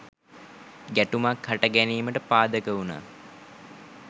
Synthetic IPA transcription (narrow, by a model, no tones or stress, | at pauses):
ɡæʈumakhaʈəɡæniːməʈəpaːd̪əkəuna̰ː